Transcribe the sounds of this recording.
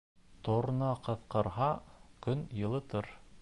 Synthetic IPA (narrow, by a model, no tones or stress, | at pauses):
t̪oɾnɑqɤ̆θqɤ̆ɾɦɑkɵnjɤ̆lˠɤ̆t̪ɤɾ